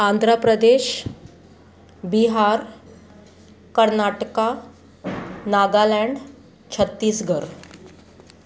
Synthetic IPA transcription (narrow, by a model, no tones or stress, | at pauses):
and̪ʱɾəpɾəd̪eɕ | biɦaɾ | kəɾnaʈka | naɡalɛɳɖ | t͡ɕʰət̪ːiːsɡʱəɾ